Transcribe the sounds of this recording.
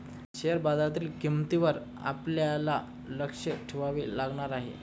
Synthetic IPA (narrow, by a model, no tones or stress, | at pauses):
ɕeəɾbad̪at̪iːlkimt̪iʋəɾ | a̰pljala | ləkʂəʈʰiʋaʋiːlaɡɳ̃aɾaɦḛ